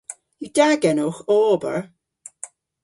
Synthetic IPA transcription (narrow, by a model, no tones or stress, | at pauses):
judaɡɛnoxɔːbə̰ɹ